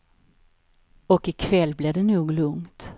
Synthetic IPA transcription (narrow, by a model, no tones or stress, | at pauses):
ɔkɪkʰvɛlːblɪd̪ɛnuːɡlɵŋt̪